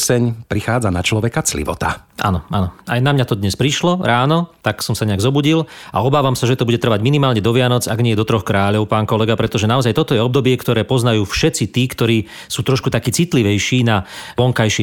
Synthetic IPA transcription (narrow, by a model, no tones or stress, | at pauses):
sɛɲpɾixaːd͡zanat͡ʃlɔʋɛkat͡slḭʋɔ̰t̪a̰ʔa̰nɔʔa̰nɔajnamɲat̪ɔd̪ɲɛspɾiʃlɔɾaːnɔt̪aksɔmsaɲɛaɡzɔbuɟila̰ɔbaːʋamsaʒɛt̪ɔbuɟɛt̪r̩ʋaɟminimaːlɲɛd̪ɔʋɪanɔt͡saɡɲɪɛjɛd̪ɔt̪ɾɔxkɾaːʎɔʊpaːnkɔlɛɡapɾɛt̪ɔʒɛnaɔzajt̪ɔt̪ɔjɛɔbd̪ɔbɪɛkt̪ɔɾɛːpɔznajuːfʃɛt͡sit̪iːkt̪ɔɾiː | suːt̪ɾɔʃkut̪akiːt͡sit̪liʋɛjʃiːnaʋɔŋkajʃɛ